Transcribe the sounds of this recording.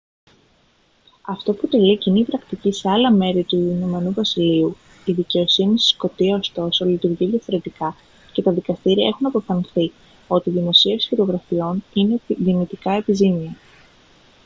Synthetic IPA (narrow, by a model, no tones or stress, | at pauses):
ɐft̪o̞put̪e̞licinipɾɐkt̪icise̞ɐlɐme̞ɾit̪uinomenuvɐsiliu | iðice̞o̞sinisi̥sko̞t̪iɐo̞st̪o̞so̞lit̪uɾʝiðʝɐfo̞ɾe̞t̪ikɐ | ce̞t̪ɐðikɐst̪iɾiɐe̞xunɐpo̞fɐnθi | o̞t̪iðimo̞sie̞sxiɾo̞ɣɾɐfio̞nineðinit̪ikɐe̞pizimiɐ